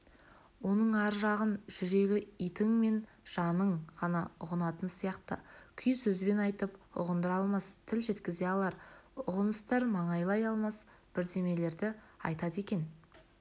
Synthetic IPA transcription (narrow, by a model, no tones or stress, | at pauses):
wo̞nəɴɑɾʒɑʁənʒʏɾe̞ɡʲɪijt̪ɪŋme̞n | ʒ̥ɑnəɴʁɑnɑʊʁənɑt̪ənsijɑqt̪ə̰kʲʰʏjsɵzbe̞nɑjt̪əpʊ̰ʁənd̪əɾɑlˠmɑst̪ʰɪlʒe̞t̪kʲɪze̞ɑlˠɑɾʊʁənəst̪ɑɾmɑɴɑjlˠɑjɑlˠmɑs | b̥ɪɾd̪e̞me̞le̞ɾd̪ɪɑ̰jt̪ɑt̪e̞kʲe̞n